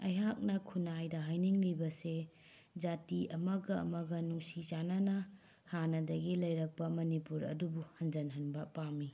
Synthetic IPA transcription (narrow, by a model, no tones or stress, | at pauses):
ɐjɦak̚nɐkʰunajdɐɦajniŋlibɐse | d͡ʒatiɐmɐɡɐ̰ːmɐɡɐnuŋsid͡ʒanɐnɐ | hanɐdɐɡilɐjɾɐk̚pɐmɐnipuɾɐ̰dubuhɐnd͡ʒɐnɦɐnbɐpami